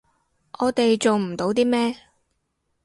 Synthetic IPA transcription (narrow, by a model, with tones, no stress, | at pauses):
ʔɔː˨˧t̪e˨jt͡so˨wm̩˨˩t̪o˨˥wt̪iː˥mɛː˥